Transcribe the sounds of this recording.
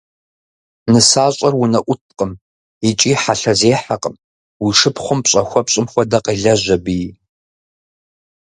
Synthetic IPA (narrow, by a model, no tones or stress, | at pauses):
nɨsaːɕʼɐrwʊnɐʔʷʊt̚ʰqʼəm | it͡ʃʼiːħaɬɐzeːħaqʼəm | wiʂɨpχʷʊmpɕʼɐxʷɔpɕʼɪmxʷɔdɐqeːɮɐʑʷɐbi